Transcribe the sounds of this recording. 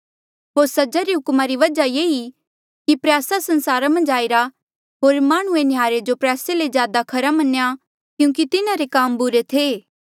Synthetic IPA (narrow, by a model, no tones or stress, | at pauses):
ɦoːɾsɐd͡ʒaɾiɦʊkmaɾiʋɐd͡ʒajeːi | kipɾjaːsasɐ̃nsaːɾamɐ̃nd͡ʒaːiɾa | ɦoːɾmaːɽ̃uenɪjaːɾed͡ʒopɾjaːseled͡ʒjaːd̪akʰɐɾamɐneja | kjũːk̬it̪ɪnaɾekaːmbʊɾet̪ʰeː